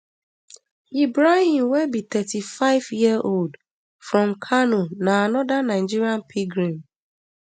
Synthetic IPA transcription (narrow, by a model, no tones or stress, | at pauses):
ibɾahĩmwɛbit̪ɛtifaɪvjiəʔold | fɹɔ̃mkʰanonaanɔdanaɪd͡ʒiɾiãnpʰiɡɾĩm